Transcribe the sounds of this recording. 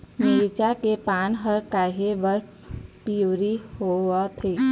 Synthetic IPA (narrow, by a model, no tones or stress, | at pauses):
meːɾt͡ʃakepaːnɦəɾkaːɦebəɾ | pijuɾihowat̪ʰeː